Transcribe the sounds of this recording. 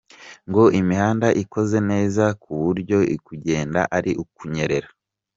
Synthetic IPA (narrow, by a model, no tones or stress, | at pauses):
ŋɡo̞ʔimihaːndaʔiko̞ze̞ne̞ːzakʰuβuɾɟo̞ikuɟe̞ːnda̰ʔaɾiʔukuɲe̞ɾe̞ɾa